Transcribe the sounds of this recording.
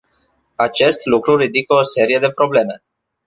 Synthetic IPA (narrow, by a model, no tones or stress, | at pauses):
at͡ʃe̞st̪lukɾuɾid̪ikəose̞ɾije̞d̪e̞pɾo̞ble̞me̞